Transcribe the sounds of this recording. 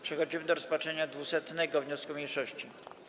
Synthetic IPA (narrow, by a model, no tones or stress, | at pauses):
pʂɛxɔd͡ʑimɘd̪ɔɾɔspat͡ʂɛɲad̪vusɛt̪nɛɡɔvɲɔskumʲjejʂɔɕt͡ɕi